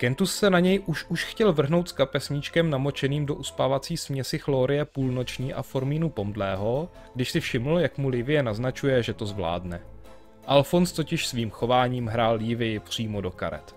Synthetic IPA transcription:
kɛnt̪usːɛnaɲɛjʔuʃuʃxcɛlvr̩ɦno̞wt̪skapɛsɲit͡ʃkɛmnamo̞t͡ʃɛniːmdo̞ʔuspaːvat͡siːsmɲɛsɪxloːɾɪjɛpuːlno̞t͡ʃɲiːʔa̰fo̞ɾmiːnupo̞mdlɛːɦo̞ | ɡ̥dɪʃsɪfʃɪml̩jakmulɪvɪjɛnaznat͡ʃujɛʒɛt̪o̞zvla̰ːdnɛ | ʔalfo̞nst̪o̞cɪʃsviːmxo̞vaːɲiːmɦɾaːljɪvɪjɪpr̝̥iːmo̞do̞ka̰ɾɛ̰t̪

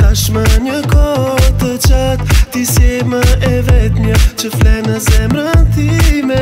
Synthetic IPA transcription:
t̪aʃmaɲɐkɔt̪ət͡ʃat̪t̪isemɐɛvɛt̪ɲɐt͡ʃəflɛnɐsɛmbɾɐnt̪imɛ

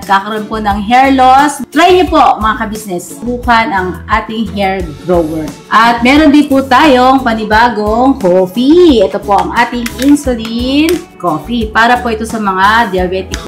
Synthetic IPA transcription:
kaːkɐɾʔonpo̞nɐŋɦɛɹlost̪ɾajɲopo̞mɐŋɐkɐbisnɛsbuːhɐnɐŋʔaːt̪ɪŋɦɛɹɡɾowɛɹʔɐt̪̚mɛːɾo̞nd̪ɪnput̪aːjo̞ŋpɐnɪbaːɡoŋkoːfiʔɛt̪o̞po̞ʔɐŋʔaːt̪ɪŋʔinsʊlin | koːfipaːɾɐpoʔɪt̪o̞sɐmɐŋad̪ɪjɐbɛːt̪ɪk

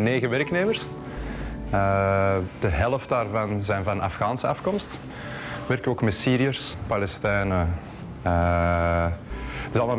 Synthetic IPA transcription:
neːɣəʋɛɾkneːmərs | ə | d̥əɦɛlˠəft̚daːrvɑnzɛjnvɑnɑ̰fɣaːnsəɑfkɔmst | ʋɛrkəoːkmɛsiːɾiərspɑlɛstɛjnə | ə | tɪzɑlˠmalˠ

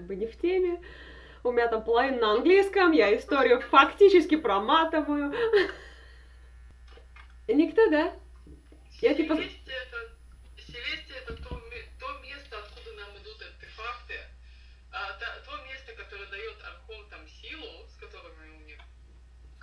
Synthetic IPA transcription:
ɡ̚bɨnʲɪftʲemʲɪ | ʊmʲɪnʲat̪ampəlˠɐvinnəɐnɡlʲijskəmjaɪst̪oɾʲɪjʊfɐktʲit͡ɕɪskʲɪpɾɐmat̪ɨvəjʊ | nʲɪkt̪od̪a | jatʲipəsʲt̪ʲɛt̪ə | sʲɪlʲesʲt̪ʲɪɛt̪ət̪omʲt̪omʲe̞st̪əɐt̪xud̪ənamɨd̪ut̪ɐrt̪ʲɪfakt̪ɨ | at̪at̪omʲe̞st̪əkɐt̪oɾəjəd̪ɐjo̞t̪ɐrxont̪amsʲilˠʊskɐt̪o̞ɾɨjnʲʊmnʲi

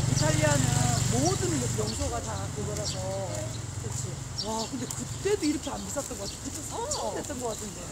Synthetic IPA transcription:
itʰaʎianɯmodɯnʌjʌŋsʰʌɡatakɯɡʌɾɦasʰʌtet͡ɕʰi | wakɯnde̞kɯt͈e̞doiɾʌkʰeanbis͈ʌt̚t͈ʌnŋɡʌkatʰe̥ɡʰɯt͡ɕʰʌsʰʌt͈ʰet͈̚ʌnɡʌk͈atʰɯnde

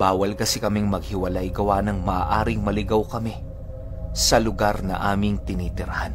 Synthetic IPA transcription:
baːwɐlkɐsɛkɐmɪŋmɐɡ̚hɪwɐlajɡɐwanɐŋmɐʔaːʔaːɾɪŋmɐlɪɡawkɐmɛ | sɐlʊɡaɾnɐ̰ʔaːmɪŋt̪ɪniːt̪ɪɾɐhan

